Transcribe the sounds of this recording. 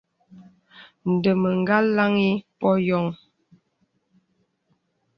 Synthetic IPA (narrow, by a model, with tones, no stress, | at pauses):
n̩˨də˨mə˨ŋɡa˦la˦ŋi˦pɔ˦jɔ˦ŋ